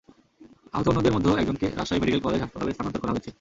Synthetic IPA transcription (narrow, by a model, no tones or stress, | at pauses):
a̰ɦot̪oonːod̪eɾmod̪ʱːeoɛk̚d͡ʑoŋkḛɾa̰ʃajmeɖikelkɔleɾaʃpat̪aleɾst̪ʰanont̪oɾkɔɾaɦoet͡ɕʰe